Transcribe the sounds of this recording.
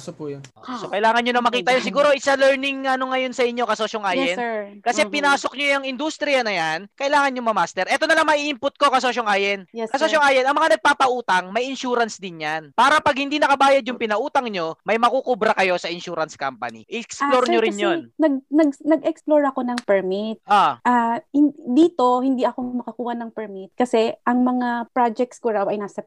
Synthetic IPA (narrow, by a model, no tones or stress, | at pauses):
sopujonʔosokɐʔɪlaːŋɐnɲonɐmɐkiːt̪ɐjons̬ɪɡuːɾo̞ʔɪsalɛɹnɪŋːɐnoŋɐjo̞nsɐʔɪɲːo̞kɐsoːʃoŋʔaːjɛnkɐsɛpɪnaːso̞k̚ɲojɐŋɪnd̪ust̪ɾɪjɐnɐjankɐʔɪlaːŋɐnɲjʊŋmɐmaːst̪ɛɾʔɛːt̪onɐlɐŋmɐʔiːʔɪmpʊt̪̚ko̞kɐsoʃoŋʔaːjɛnkɐsoʃoŋaːjɛnʔɐŋmɐŋanɐɡ̚paːpɐʔuːt̪ɐŋmɐjʔɪnʃuːɾɐnsd̪ɪnjanpaːɾɐpɐɡ̚hɪnd̪inɐkɐbaːjɐd̪̚jʊŋpɪnɐʔuːt̪ɐŋɲo̞mɐjmɐkukubɾɐkɐjo̞sɐʔɪnʃuːɾɐnska̰mpɐ̰nḭʔʔɛksploɾɲoɾɪnjonnɐɡ̚nɐɡ̚nɐɡʔɛksploɹɐko̞nɐŋpɛɹmit̪̚ʔaʔahɪnd̪iːt̪o̞hɪnd̪iʔɐko̞mɐkɐkuːhɐnɐŋpɛɹmit̪̚kɐsɛʔɐŋmɐŋapɾad͡ʒɛk̚t̪skoɾawɐjnaːsɐ